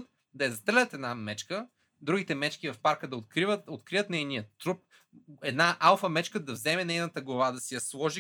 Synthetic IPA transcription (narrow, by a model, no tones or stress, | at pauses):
t̪̚ | d̪ɐjɐzɐt̪əlʲət̪ɛd̪namɛt͡ʃkə | d̪ɾuɡʲit̪ɛmɛt͡ʃkivɐfpaɾkəd̪ɐot̪kɾivət̪ot̪kɾiət̪nɛjniət̪ɾup̚ | ɛd̪naʔalˠfɐmɛt͡ʃkəd̪ɐvzɛmɛnɛjnət̪əɡlˠɐvad̪ɐsijɐslˠɔʒi